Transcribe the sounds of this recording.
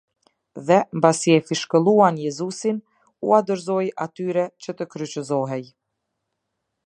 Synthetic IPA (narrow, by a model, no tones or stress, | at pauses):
ðɛmbasiɛfiʃkəlˠuanjɛzusin | uad̪əɾzɔjat̪yɾɛt͡ɕət̪əkɾyt͡ɕəzɔɦɛj